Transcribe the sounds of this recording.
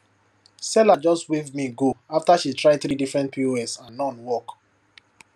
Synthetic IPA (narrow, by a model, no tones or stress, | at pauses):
sɛlad͡ʒɔstwivmiɡoaftaʃitɹaɪθɾidifɹɛ̃ntpʰioɛsãnːɔ̃nwɔk